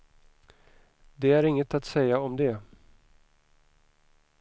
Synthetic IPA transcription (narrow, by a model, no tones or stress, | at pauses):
d̪ɛæɾɪŋːət̪at̪sɛjːaɔmd̪ɛ